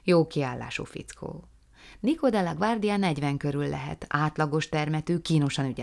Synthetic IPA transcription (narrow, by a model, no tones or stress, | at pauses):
joːkiaːlːa̰ːʃo̰fḭt̪skʰo̰ː | niko̞d̪ɛlɒɡʋard̪ijɒnɛɟʋɛŋkø̞ɾylːɛ̰ɦɛ̰t̪aːt̪lɒɡo̞ʃt̪ɛrmɛt̪øːkiːno̞ʃɒnyɟɛ